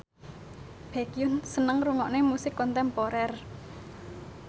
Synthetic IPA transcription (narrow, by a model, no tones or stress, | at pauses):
b̥ɛkijʊnsənəŋruŋɔʔnemusɪkːɔnt̪ɛmpoɾɛr